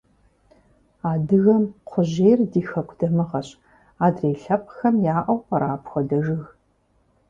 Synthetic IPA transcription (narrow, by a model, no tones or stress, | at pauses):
aːdɨɣɐmqʷʰʊʑeːrdiːxɐkʷʰdɐmɨʁɐɕʼ | aːdreːɬɐp̚ʼxɐmjaːʔɐwqɐɾʔaːpʰxʷɔdɐʒɨɣ